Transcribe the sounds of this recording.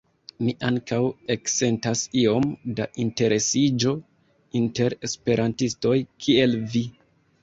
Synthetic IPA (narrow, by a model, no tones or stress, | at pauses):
miʔaŋkawekse̞ntasio̞mdaʔinte̞ɾe̞sid͡ʒo̞ | inte̞ɾe̞spe̞ɾʔantisto̞jkʰie̞lvi